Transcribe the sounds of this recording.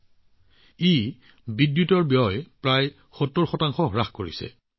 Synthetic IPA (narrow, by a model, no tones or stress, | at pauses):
e | bidjutɔɹbijɔjpɹaj | xɔtːɔɹxɔtaŋxɔɹaxkoɹḭsɛ̰